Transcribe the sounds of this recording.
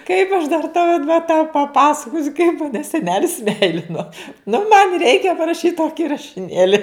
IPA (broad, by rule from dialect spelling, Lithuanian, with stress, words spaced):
kɐɪp ɐʃ dɐr tɐʊ ɪt ʋɐ tɐʊ pɐˈpɑːsɐkoːsʲʊ kɐɪp mɐˈnʲɛ sʲɛˈnʲæːlʲɪs ˈmʲɛɪlʲɪnoː nʊ mɐnʲ ˈrʲɛɪkʲɛ pɐrɐˈʃʲiːt ˈtoːkʲɪ rɐʃʲɪˈnʲeːlʲɪ